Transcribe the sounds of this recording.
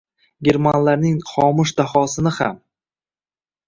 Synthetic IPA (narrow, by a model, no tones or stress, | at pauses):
ɡʲe̞ɾmanlaɾnɪŋχɒmʊʃd̪ahɒsɪnɪha̰m